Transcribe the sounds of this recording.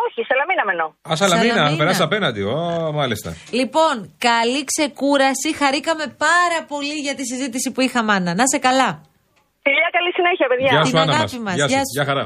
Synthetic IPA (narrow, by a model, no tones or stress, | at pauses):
oçisɐlɐminɐmenoɐsɐlɐminɐθɐpeɾɐssɐpenɐnd̪iomɐlist̪ɐ̰lipo̞ŋkɐlikse̞kuɾɐsixɐɾikɐme̞pɐɾɐpo̞liʝɐt̪is̬izit̪isipuixɐmɐnɐnɐsekɐlɐ | fiʎɐkɐlisineçiɐpeðʝɐɐsuɐnɐɣɐmɐ̰simɐsʝɐɐsʝɐxɐɾɐ